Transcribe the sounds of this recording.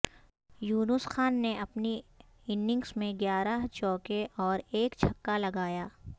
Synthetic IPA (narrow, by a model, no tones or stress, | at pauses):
juːnʊsxaːnːeɐpni | ɪnːɪ̃ŋɡsmẽɡjaːɾəɦt͡ʃɔːkeʔɔːɾeːkt͡ʃʰɐkːalɐɡaːjaː